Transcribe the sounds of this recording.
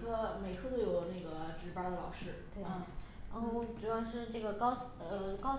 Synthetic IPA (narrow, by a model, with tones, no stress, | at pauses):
kʰɤ˥me˨˩ɪkʰɤ˥t̪o˥˩ʊjo˨˩ʊna˥˩ɡə˩ʈ͡ʂɻ̩˧˥pa˧˥d̪ə˨lɑ˨˩ʊʂɻ̩˥˩t̪we˥˩˥ | ʈ͡ʂu˧˥a˥˩nʂɻ̩˥˧ʈ͡ʂɤ˥˩ɡə˩kɑ˥ʊ | əə˧kɑ˥ʊ